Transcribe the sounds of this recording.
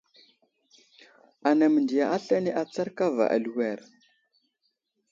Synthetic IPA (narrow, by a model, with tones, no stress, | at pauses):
a˨na˨mə˨ndi˨ja˨ʔa˦ɬa˦ne˦ʔa˨t͡sa˦ɾka˦va̰˨ʔa̰˨lu˨wɛ˦˨ɾ